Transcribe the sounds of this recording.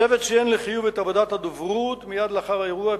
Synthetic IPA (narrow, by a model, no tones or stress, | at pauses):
evet̪ʃeenleχijuvet̪avod̪at̪had̪ovʁut̪mijad̪laχaʁaeʁua